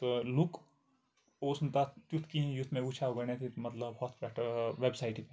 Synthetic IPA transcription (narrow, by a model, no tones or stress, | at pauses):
t̪oluk | oːsnt̪at͡ʃ̪jut̪ʰkijʊt̪ʰːmẽut͡ʃʰaoɡɐnet̪ʰimɐt̪ləbbɔːt̪bɛʈʰəʋebsaːɪʈipe